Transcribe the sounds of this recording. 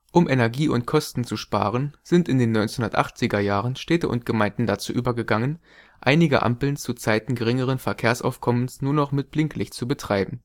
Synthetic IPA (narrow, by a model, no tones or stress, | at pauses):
ʔʊmʔɛnɛɐɡiːʊntkʰɔstn̩t͡suʃpa̰ːʁənz̥ɪntɪndeːnːɔʏnt͡snhʊndɐtʔa̰χt͡sɪɡɐjaːʁənʃtɛːtəʔʊ̰ntɡ̥əmaɪndn̩dat͡sṵːʔyːbɐɡəɡaŋən | ʔaɪnɪɡə̰ʔa̰mpl̩nt͡sut͡saɪtn̩ɡəʁ̞ɪŋəʁ̞ənfɛɐkʰeːɐsʔa̰ʊfkʰɔmənsnuːɐnɔχmɪt̚b̥lɪŋkʰlɪçt͡subətʁ̥aɪbm̩